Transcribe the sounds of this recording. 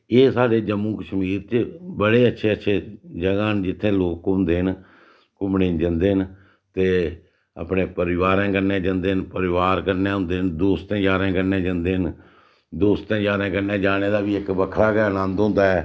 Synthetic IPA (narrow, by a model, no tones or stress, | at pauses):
eːsaːɾeːd͡ʒəmũːkəʃmiːɾt͡ʃbəɽeːətːʃʰeːətːʃʰeːd͡ʒəɡãːnd͡ʒɪt̪ʰːẽːloːkʊ̃nd̪eːɦən | kʊmɳẽːd͡ʒənd̪eːɦən | t̪eː | ə̰pneːpəɾɪʋaːɾãːkəɾnẽːd͡ʒə̃nd̪eːɦənpəɾɪʋaːɾkəɾnẽːɦʊ̃nd̪eːɦnd̪oːst̪ə̃jaːɾãːkəɾnẽːd͡ʒənd̪eːɦən | d̪oːst̪ə̃jaːɾãːkəɾnẽːd͡ʒaːɽ̃eːd̪aːʋiːɪkbəkʰɽaːkɛːnə̃nd̪ɦʊ̃nd̪aːɛː